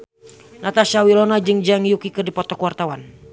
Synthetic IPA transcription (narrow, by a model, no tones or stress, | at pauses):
nat̪aʃawilɔnad͡ʒɨŋd͡ʒaŋijukikɨrdipɔt̪ɔkwart̪awan